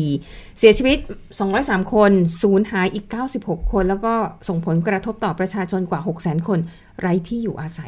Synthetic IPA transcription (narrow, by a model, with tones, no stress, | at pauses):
si˩˦ɐt͡ɕʰiː˧wi˦˥t̪̚ | sɔː˨˩˦ŋɾɔː˦˥jsaː˨˩˦mkʰo˧nsuː˩˦nhaː˩˦jʔiː˨˩kːaː˥˩wsi˨˩p̚ho˨˩kʰːo˧nlɛː˦˥wkɔː˥˩so˨˩ŋpʰo˩˦nkɾa˧t̪ʰo˦˥p̚t̪ɔː˨˩pɾa˧t͡ɕʰaː˧t͡ɕʰo˧nkwaː˨˩ɦo˨˩k̚sɛː˩˦nkʰo˧n | ɾa˦˧˥jt̪ʰiː˥˩juː˨˩ʔaː˧sa˩˦j